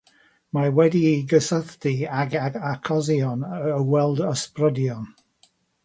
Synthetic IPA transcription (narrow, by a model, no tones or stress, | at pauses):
mawɛdiɡəsəθdiaɡaɡakʰɔzjɔnəəwɛlˠdəsprədjɔn